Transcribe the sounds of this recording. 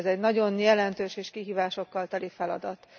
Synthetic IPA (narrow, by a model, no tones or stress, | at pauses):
zɛɟnɒɟo̞njɛlɛnt̪øːʃeːʃkiɦiːvaːʃo̞kːɒlt̪ɒlifɛlɒ̰d̪ɒt̪